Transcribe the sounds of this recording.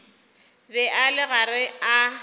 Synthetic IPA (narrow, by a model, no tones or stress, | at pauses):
bɛʔalɪɣarɪa